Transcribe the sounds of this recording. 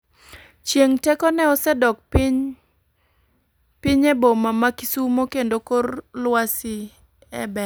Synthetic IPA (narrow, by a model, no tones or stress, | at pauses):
t͡ʃjeŋtɛkɔnɛɔsɛdɔk̚piɲ | piɲɛbomamakisumokendokorlwasɪ | ɛ̰bɛ